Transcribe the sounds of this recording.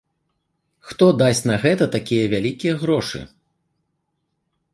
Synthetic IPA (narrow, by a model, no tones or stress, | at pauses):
xt̪ɔd̪asʲt͡sʲnɐɣɛt̪ɐt̪akʲijɐvʲalʲikʲijɐɣɾɔʂɨ̰